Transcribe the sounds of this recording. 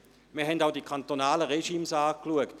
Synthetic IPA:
miːɐɦɛndaʊdikʰant̪onaːləʁeʃiːmsaːkluəkt

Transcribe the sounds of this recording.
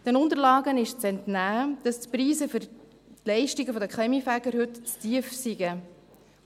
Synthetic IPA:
d̥ɛnʊnt̪əɾlɑːɡənɪʃt͡sɛntnæːd̪̥ɑstpɾiːzəfʏɾ | tlɛɪʃtiɡəfɔd̪əkχɛmifæɡ̥əɾɦɵtt͡stiəfsiɡə

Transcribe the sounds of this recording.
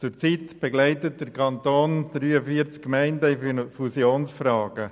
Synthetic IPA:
t͡sʊɾt͡sitb̥eɡlæɪtət̚d̥əɾkʰɑntoːnd̥ɾyːəfiəɾt͡skkmæɪndəifusjoːnsfrɑːɡ̥ə

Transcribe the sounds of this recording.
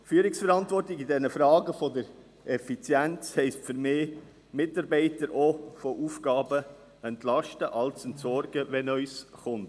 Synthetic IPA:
fyːɾɪksfɛɾɑntʋɔrtɪɡidɛnəfɾɑːɡəfɔdəɾ | ɛfit͡sjænt͡shɛɪstfʏɾmeː | mɪtɑɾbɛɪtəɾofoʔuːfɡɑːbə | ɛntlɑʃtəʔɑlsɛntsɔɾɡəʋɛnœʏsχʊnt

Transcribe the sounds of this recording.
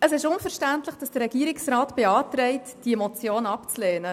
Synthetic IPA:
əsɪʃʊnfəɾʃtæntlɪχd̥ɑsd̥əɾɛɡiːəɾɪksrɑːtb̥eɑːtɾɛɪtd̥iɛmot͡sjoːnɑpt͡sleːnə

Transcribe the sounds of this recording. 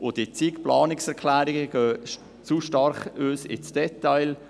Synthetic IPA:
ʔʊd̥it͡siːkplɑːnɪksɛɾkʰlæːɾɪɡəɡ̥øː | t͡suʃtɑɾχøːsɪ̰t͡sd̥ɛtaɪl

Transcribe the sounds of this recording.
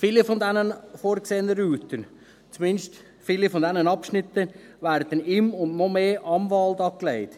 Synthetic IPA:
filifɔndɛnənfoːɾkseːənəɾyːt̪ən | t͡sumɪnʃt | filifɔnd̪ɛnənɑpʃnɪt̪ːə | ʋæːɾd̥̪ənɪmʊndnomeːʔɑmvɑld̪ɑklɛɪt̪

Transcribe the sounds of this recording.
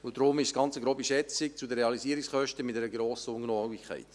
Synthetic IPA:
ʊd̪ɾʊmɪʃsɡ̥ɑnt͡səɡɾoːbiʃɛt͡sɪk̚t͡sudəɾeɑliziːɾiksχœʃtəmɪt̚dɛɾəɡɾoːsəʊŋnɔɡikχæ̰ɪt

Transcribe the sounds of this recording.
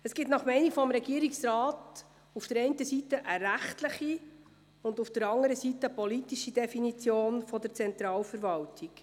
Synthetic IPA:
əsɡ̥ɪtnɑχmɛɪnifɔmɾɛɡiːəɾiksɾɑːt | ufd̥əɾɛɪntəsitəʔəɾæχtləχi | ʊndufd̥əɾɑŋəɾəsitːəpɔlitiʃidɛfinit͡sjoːnfɔd̥əɾt͡sɛnt̪ɾɑːlfəɾvɑltʰik

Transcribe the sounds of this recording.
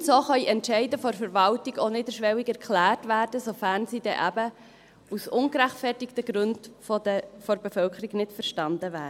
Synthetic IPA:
soːχœiʔɛntʃɛɪdəfɔɾfəɾʋɑltiɡonɪdəʃʋɛwiɡɛɾkʰlæːrtʋæːɾd̥əsofæːɾnsidɛ̰ʔæbə | usʊŋɡɾæχtfɛrtɪktəɡɾʉndfdfɔɾbefœlkʰəɾiɡnɪtfəɾʃtɑndəvæːɾ

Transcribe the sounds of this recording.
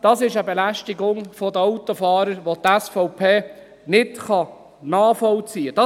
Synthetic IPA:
d̥̪ɑsɪʃəbɛlæʃtiɡʊŋfɔd̪əɑwt̪ːofɑːɾəɾʋot̪æsfɔʊpʰeː | nɪtχɑ | nɑːfɔwt͡siːəd̥ɑ

